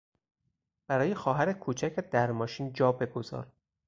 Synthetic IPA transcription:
b̥æɾɒːjexɒːɦæɾekʰuːt͡ʃʰæcʰed̪æɾmɒːʃiːnd͡ʒɒːbe̞ɡo̞zɒ̰ːɾ

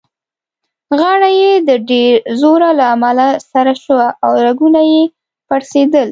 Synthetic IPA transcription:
ɣɑɽajed̪əɖeɾzoɾalaːmalasaɾaʃəwaʔawɾaɡunaje | paɾsed̪əl

